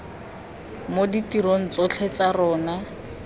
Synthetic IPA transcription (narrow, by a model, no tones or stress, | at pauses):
moditiɾon̩t͡sot͡ɬʰet͡sarɔːna